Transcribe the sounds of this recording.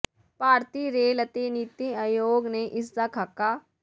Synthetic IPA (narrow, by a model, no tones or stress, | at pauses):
paːɾt̪iɾeːlət̪enit̪iajoːɡneʔɪs̬d̪akʰɐkːaː